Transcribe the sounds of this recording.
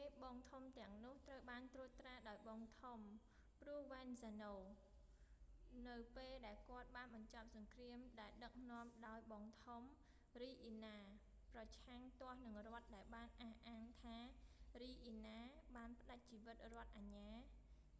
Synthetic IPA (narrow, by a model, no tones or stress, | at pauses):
eːɓɑːŋt̪ʰumt̪ɛ̆əŋnʊ̆əht̪rəwɓaːnt̪ruət̪ːraːɗaɔjɓɑːŋt̪ʰum | pruəhʋɛːnsanoː | nɨwpeːlɗaɛlkŏət̪̚ɓaːnɓɑɲt͡ɕɑp̚sɑŋkriəmɗaɛlɗək̚nŏəmɗaɔjɓɑːŋt̪ʰum | riːʔiːnaː | prɑt͡ɕʰaŋt̪ŏəhnɨŋrŏət̪̚ɗaɛlɓaːnʔahʔaːŋt̪ʰaːriːʔiːnaːɓaːnpə̆ɗac̚t͡ɕiːʋɨt̪̚rŏət̪̚ʔaɲaː